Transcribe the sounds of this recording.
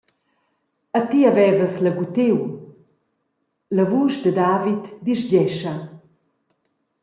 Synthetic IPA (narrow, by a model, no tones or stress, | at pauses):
at̪iavɛvəsləɡut̪ew | ləvuːʃd̪əd̪aːvit̪d̪iʃɟɛʃa